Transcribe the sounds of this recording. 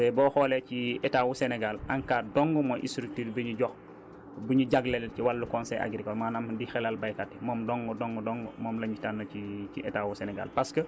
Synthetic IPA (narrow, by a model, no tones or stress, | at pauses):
ɛbɔːxɔːlɛciɛtawusɛnɛɡalʔaŋkaːdɔŋɡumɔʔḭstɾuk̚tiːɾbiɲuɟɔx | buɲuɟaɡlɛlciwalːukɔnsɛjʔa̰ɡɾikɔmaːnamdixɛlalbajkatːimɔːmdɔŋɡɔdɔŋɡɔdɔŋɡumɔːmlɐɲɟitanːɐciciʔɛtawusɛnɛɡa̰lpaskə